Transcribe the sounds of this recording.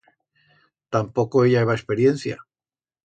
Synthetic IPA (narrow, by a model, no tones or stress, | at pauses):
t̪ampo̞ko̞eʎaeβaespe̞ɾje̞nθja̰